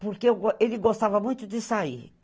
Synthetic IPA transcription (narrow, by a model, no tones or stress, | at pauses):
poɾkeewɡelɪɡost̪avɐmũj̃t̪ʊd̪ɪsaḭ